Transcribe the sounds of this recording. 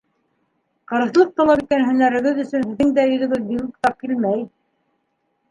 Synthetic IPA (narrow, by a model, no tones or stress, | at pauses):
qɤ̆ɾɤ̆θlˠɤq̚t̪ɑlˠɑpit̪kænɦɵ̆næɾɘ̆ɡɘðɵ̆sɵnhɘ̆ðːɘŋd̪æjɵ̆ðɵ̆ɡɘðbilukt̪ɑp̚kilmæj